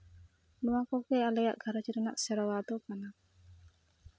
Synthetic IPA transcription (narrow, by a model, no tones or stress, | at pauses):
nuwakɔkealeja̰ʔɡʱaɾat͡ʃiɾunaʔsɛɾɔwad̪ɔkana